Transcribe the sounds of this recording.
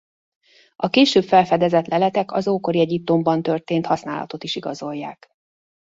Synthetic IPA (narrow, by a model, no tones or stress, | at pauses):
ɒkeːʃøːpfɛlfɛd̪ɛzɛt̪lɛlɛt̪ɛkɒzoːko̞ɾiɛɟip̚t̪o̞mbɒnt̪ø̞rt̪eːnt̪hɒsnaːlɒ̰t̪o̞t̪iʃiɡɒzo̞jːaːk